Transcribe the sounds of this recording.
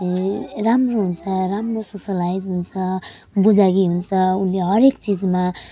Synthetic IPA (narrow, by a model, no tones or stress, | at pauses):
ramroɦunt͡sʰʌramrososʌlaid͡zɦunt͡sʰʌ | bud͡zaɡiɦunt͡sʰʌunleɦʌɾekt͡sid͡zma